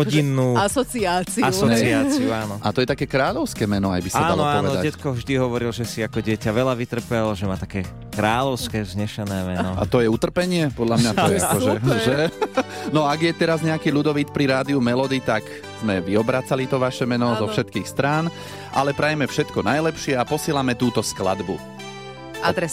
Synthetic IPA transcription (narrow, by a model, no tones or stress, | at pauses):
ɔɟinːuːasɔt͡siat͡siasɔt͡siaːt͡siuaːnɔʔat̪ɔjɛt̪akɛːkɾaːʎɔʊskɛːmɛnɔa̰jbisaːdanlaɔaɔːnʋɛɔd̪aɟɛt̪kɔvʒd̪iɦɔʋɔɾilʒɛsiakɔɟɪɛcaʋɛlaʋit̪r̩pɛlʒɛmaːt̪akɛː | kɾaːʎɔʊskɛːzɲɛʃɛnɛːmɛnnɔa̰t̪ɔjɛut̪r̩pɛɲɪɛpɔd̪ʎamɲat̪ɛaɔʒɛʒɛ | nɔaɡjɛt̪ɛɾazɲɛakiːʎud̪ɔʋit̪pɾiɾaːd̪iumɛlɔd̪it̪ak | z̥mɛʋiɔbɾaːt͡salit̪ɔʋaʃɛmɛnɔzɔfʃɛt̪kiːxst̪ɾaːn | ʔalɛpɾajɛmɛfʃɛt̪kɔnajlɛpʃɪɛapɔsɪɛlamɛt̪uːt̪ɔskla̰d̪bu | ad̪ɾɛ